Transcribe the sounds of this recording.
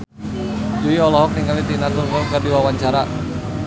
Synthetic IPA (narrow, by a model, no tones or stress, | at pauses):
d͡ʒuiɔlɔɦɔk̚niŋalit̪inat̪urŋɔlkərdiwawaɲt͡ʃaɾa